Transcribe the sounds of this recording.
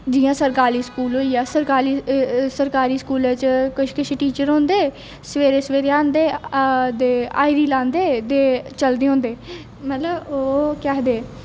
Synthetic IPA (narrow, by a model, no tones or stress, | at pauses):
d͡ʒɪjãːsəɾkaːɾiːskuːlɦoːiːaːsəɾkaːliːsəɾkaːɾiːskuːlet͡ʃkɪʃkɪʃʰeʈiːt͡ʃəɾɦõːnd̪eː | səʋeːɾeːsʋeːɾeãːnd̪eːd̪eːaːiɾiːlãːnd̪eːd̪eːt͡ʃəld̪eːɦõːnd̪eː | mət̪ləboːkɛɦd̪eː